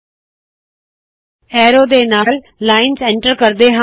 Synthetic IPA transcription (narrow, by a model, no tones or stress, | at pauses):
ɛːɾoːd̪eːnaːl | laːɪnsɛ̃ɳʈəɾkəɾd̪eɦã